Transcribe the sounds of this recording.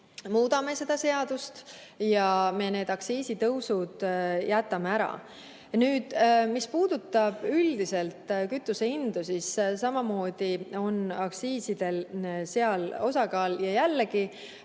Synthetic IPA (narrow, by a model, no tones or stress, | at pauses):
muːd̪̥ɑme̞se̞d̪̥ɑse̞ɑd̪ust̪jɑme̞ne̞ːd̪̥ɑksiːsit̪ɤwsud̪̥jæt̪ːˑɑmeæɾɑ̰ | nyːd̪̥mispuːd̪ut̪ːˑɑb̥yld̪̥ise̞lt̪kyt̪ːˑuseind̪̥usissɑmɑmo̞ːd̪̥io̞nɑksiːsid̪̥e̞lseɑlo̞sɑkɑːljɑjælːeɡi